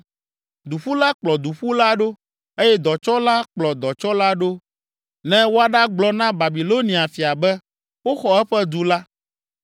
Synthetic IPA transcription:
d̪u˨ɸu˦la˦k͡plɔ˨d̪u˨ɸu˦la˦ɖo˦ | e˦jɛ˦d̪ɔ˨t͡ʃɔ˦la˦k͡plɔ˨d̪ɔ˨t͡ʃɔ˦la˦ɖo˦ | nɛ̃˦wo˦a˨ɖa˦ɡ͡blɔ˦nã˦ba˨bi˨lo˦nĩ˨a˨fi˨a˨bɛ˦ | wo˦xɔ˨ɛ˦ɸɛ˦d̪u˦la˦

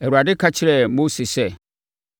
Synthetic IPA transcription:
ɛ˨ɾu˨a˨dɪ˦kʰa˦t͡ɕʰɪ˦ɾɛ˨mo˦si˨sɛ˦

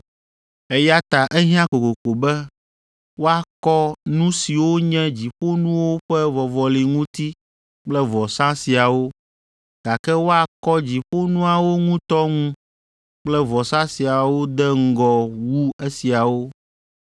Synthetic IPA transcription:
ɛ˦ja˦t̪a˨ʔɛ˦ɦĩ˦ã˦ko˨ko˨ko˨bɛ˦ | wo˦a˦˨kɔ˦nũ˦si˨wo˦ɲɛ̃˦d͡ʑi˨ɸo˦nũ˦wo˦ɸɛ˦vɔ˨vɔ˨li˨ŋũ˦t̪i˦ | k͡plɛ˦vɔ˨sã˦si˨a˨wo˦ | ɡ̥a˨kɛ˦wo˦a˨kɔ˦d͡ʑi˨ɸo˦nũ˦a˨wo˦ŋũ˦t̪ɔ˦ŋũ˦ | k͡plɛ˦vɔ˨sã˦si˨a˨wo˦d̪ɛ˦ŋ̩˦ɡɔ˨wu˦e˦si˨a˨wo˦

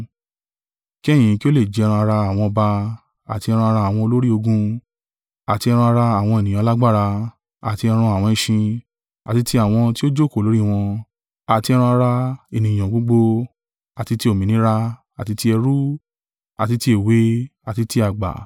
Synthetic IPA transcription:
ki˦ɛ˦˨j̃ĩ˨˦˧ki˦o˦le˦˨d͡ʒɾ̃ũ˧a˧ɾa˧a˨w̃ɔ̃˧ɔ˧ba˧ | a˨ti˧ɛ˧ɾũ˧a˧ɾa˧a˨w̃ɔ̃˧o˧lo˦ɾi˦o˧ɡũ˧ | a˨ti˧ɛ˧ɾ̃ũ˧a˧ɾa˧a˨w̃ɔ̃˧e˨nĩ˨j̃ã˨˧la˦ɡ͡ba˦˨ɾa˧ | a̰˨ti˧ɛ˧ɾ̃ũ˧a˨w̃ɔ̃˧ĩ˧ʃĩ˧ | a˨ti˧ti˧a˦˨w̃ɔ̃˧ti˦o˦d͡ʒo˦˨ko˦˨lo˨˦ɾi˦˨w̃ɔ̃˧ | a˨ti˧ɛ˧ɾ̃ũ˧a˧ɾa˧e˨nĩ˨j̃ã˨ɡ͡bo˨˧ɡ͡bo˧ | a˨ti˧ti˧o˨mĩ˨nĩ˨˦ɾa˧ | a˨ti˧ti˧ɛ˧ɾu˦ | a̰˨ti˧ti˧e˦˨we˨˦a˨ti˧ti˧a˨ɡ͡ba̰˨

